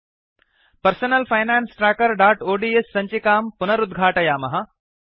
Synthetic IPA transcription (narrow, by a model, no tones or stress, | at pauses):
pɐɾsɐnɐlfʰɐjnaːnsʈɾaːkɐɾɖaːʈoːɖiːesːɐɲt͡ʃikaːmpʊnɐɾud̪ɡʱaːʈɐjaːmɐɦɐ